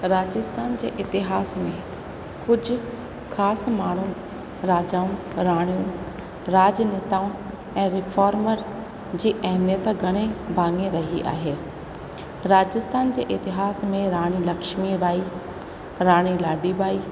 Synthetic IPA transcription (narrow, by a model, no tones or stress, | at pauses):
ɾaːd͡ʑɪst̪ʰaːnd͡ʑḛːʔɪt̪ɪɦaːsmẽ | kʊd͡ʑʱʊ̆ | xaːsmaːɳ̤ũ | ɾaːd͡ʑaːũ | ɾaːɽ̃ijũ | ɾaːd͡ʑneːt̪aːũ | ɛ̃ːɾɪfʰaːɾməɾ | d͡ʑiːʔɐɦmijət̪ɡʱɐɽ̃ebʱãːŋɡẽɾɐɦiʔa̰ːɦeː | ɾaːd͡ʑɪst̪ʰaːnd͡ʑeːʔɪt̪ɪɦaːsmẽɾaːɽ̃ilɐkʃmibaːi | ɾaːɽ̃ilaːɖibaːi